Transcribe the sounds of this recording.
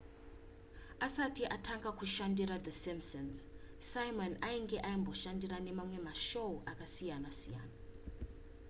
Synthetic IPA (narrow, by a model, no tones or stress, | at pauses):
asatʰiʔatʰaŋɡakʰuʃandiɾaðəsimsɔns | sajmɔnajiŋɡɛʔajimbʱɔʃandiɾanɛmamwɛmaʃowʔakʼasijanasijaːna